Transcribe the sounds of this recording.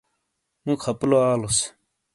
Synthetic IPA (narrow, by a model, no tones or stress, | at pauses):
mũkʰɐploaːlos